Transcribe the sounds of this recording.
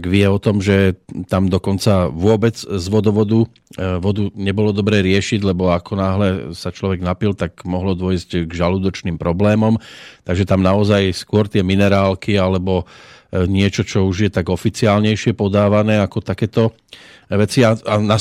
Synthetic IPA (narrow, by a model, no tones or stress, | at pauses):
t̪aɡʋɪɛɔt̪ɔmʒɛt̪amd̪ɔkɔnt͡saʋʊɔbɛd͡zzʋɔd̪ɔʋɔd̪u | ʋɔd̪uɲɛbɔlɔd̪ɔbɾɛːɾɪɛʃiɟlɛbɔakʰɔnaːɦlɛsat͡ʃlɔʋɛɡnapilt̪aɡmɔɦlɔd̪wɔjzɟɡʒaluːd̪ɔt͡ʃniːmpɾɔblɛːmɔmt̪aɡʒɛt̪amnaɔzajskʊɔɾt̪ɪɛminɛɾaːlkialɛbɔ | ɲɪɛt͡ʃɔt͡ʃɔuʒjɛt̪aɡɔfit͡siaːlɲɛjʃɪɛpɔd̪aːʋanɛːakɔt̪akɛːt̪ɔ | ʋɛt͡siaana